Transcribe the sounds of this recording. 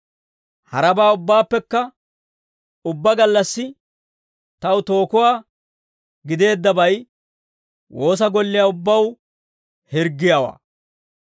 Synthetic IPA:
hɐɾɐbaːʊbːaːpːɛkːɐ | ʊbːɐɡɐlːɐsːɪ | t̪ɐwʊt̪o̞ːkʊwaː | ɡɪd̪e̞ːd̪ːɐbɐj | wʔo̞ːs̬ɐɡɔlːɪjaʊbːɐw | hɪɾɡːɪjawa̰ː

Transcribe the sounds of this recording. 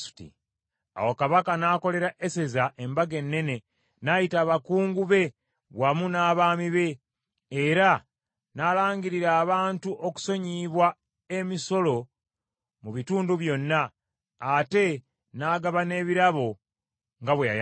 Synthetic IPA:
su̥tḭ | a̰wokaβakanako̞le̞ɾaʔe̞se̞zaʔe̞mbaɡe̞nːe̞ne̞ | najitaːβakuːŋɡuβe̞ | βwamunaːβaːmiβe̞ː | ɾa | naːlaːŋɡiɾiɾaːβaːntuʔoku̥so̞ɲiβwa | e̞miso̞lo̞ | muβituːnduβjo̞nːaː | te̞ | naːɡaβane̞ːβiɾaβo̞ | ŋɡaβweja̰j

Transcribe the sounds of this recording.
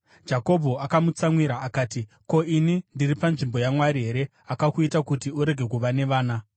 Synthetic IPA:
d͡ʒako̞bʱoakamut͡samwiɾaːkaːti | ko̞inindiripanʐimbo̞jamwaɾiɦe̞ɾe̞ | akakuitakutiuɾe̞ɡʱe̞kuʋane̞ʋaːna

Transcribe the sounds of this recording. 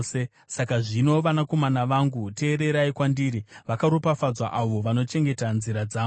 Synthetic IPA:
e | sakaʐino̞ʋanako̞manaʋaŋɡute̞ːɾe̞ɾaikwandiɾiʋakaɾopafad͡zwa̰ʔaʋo̞ʋano̞t͡ʃe̞ŋɡe̞tanziɾad͡zaː

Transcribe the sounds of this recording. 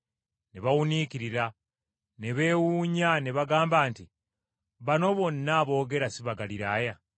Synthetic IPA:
neβawunikiɾiɾa | neβe̞ːwuɲaneβaɡaːmbaːnti | βano̞βo̞nːaːβo̞ːɡe̞ɾasiβaɡaliɾaja

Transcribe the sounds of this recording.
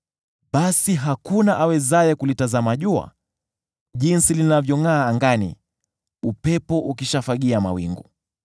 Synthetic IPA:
ɓasiɦakunaʔawɛzajɛkulitazamaʄua̰ | ʄinsilinavjɔŋaːŋɡanḭ | upɛpɔʔukiʃafaɠiama̰wḭŋɡṵ

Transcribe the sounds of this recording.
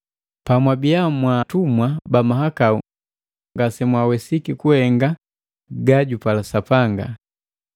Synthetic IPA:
pamwabijamwatumwabamaɦakaṵ | ŋɡasɛmwawɛsikikuhɛŋɡa | ɡaɟupalasapaŋɡa̰

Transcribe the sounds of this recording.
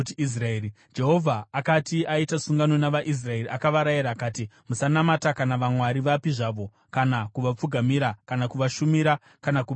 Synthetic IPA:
tiis̬raeːɾi | d͡ʒe̞ɦo̞vʱaːkatiaitasuŋɡano̞naʋaʔis̬rae̞ɾiʔakaʋaɾaiɾaːkaːtimusanamatakanaʋamwaɾiʋapiʐaʋo̞ | kanakuʋap͡fuɡʱamiɾakanakuʋaʃumiɾa | kanaku

